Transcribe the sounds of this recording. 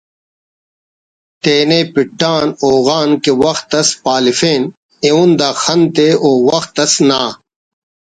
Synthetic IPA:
t̪eːneːpiʈːaːnoːɣaːnkewɐxt̪ɐspaːlifeːn | eund̪aːxɐnt̪eoːwɐxt̪ɐsnaː

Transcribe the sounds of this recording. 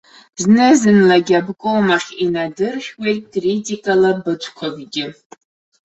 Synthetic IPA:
znɨzɨnlaɡʲabkʼowmaχʲinadɨrʃʲwejtkʼritʼikʼalabɨt͡ʃʷʰkʷʰaɡɡʲɪ

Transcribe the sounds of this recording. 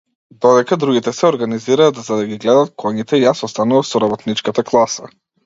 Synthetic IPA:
d̪ɔd̪ɛkad̪ɾuɡit̪ɛsɛɔɾɡaniziɾaːt̪zad̪aɡʲiɡlɛd̪at̪̚kʰɔɲit̪ɛjasɔst̪anuvasɔɾabɔt̪nit͡ʃkat̪aklˠasa̰

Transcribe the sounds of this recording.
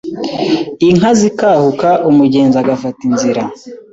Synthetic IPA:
iŋazikaːhukaʔumuɟeːnzaɡafatinziɾa

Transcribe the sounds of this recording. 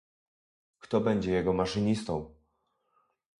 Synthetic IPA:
kt̪ɔbɛɲd͡ʑɛjɛɡɔmaʂɨɲist̪ɔ̃w̃

